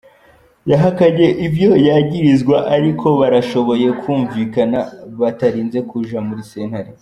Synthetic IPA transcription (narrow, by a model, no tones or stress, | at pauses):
jaɦakaɟe̞ʔibjo̞jaːɟiɾizɡwaʔaɾikʰo̞βaɾaʃo̞βo̞je̞kʰuːɱviːkanaβataɾiːnze̞kuʒamuɾise̞ːnhaɾe